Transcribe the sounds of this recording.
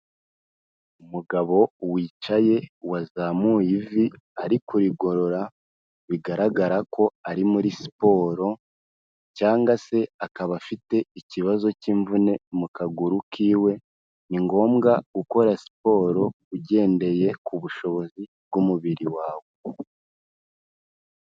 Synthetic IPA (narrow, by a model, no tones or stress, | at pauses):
umuɡaβo̞wiːt͡ʃaje̞wazamujivi | aɾikuɾiɡo̞ɾo̞ɾa | βiɡaɾaɡaɾakʰo̞aɾimuɾisi̥po̞ːɾo̞ | caːŋɡase̞akaβafite̞iciβazo̞ciːɱvune̞mukaɡuɾukʰiːwe̞ | niŋɡo̞ːmɡaɡuko̞ɾasi̥po̞ːɾo̞ | uɟe̞ːnde̞je̞kuβuʃo̞βo̞zibɡumuβiɾiwaːwo̞